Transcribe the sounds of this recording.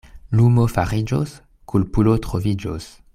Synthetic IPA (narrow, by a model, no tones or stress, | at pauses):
lumofaʁid͡ʒos | kʰulpulot̪ʁovid͡ʒo̰s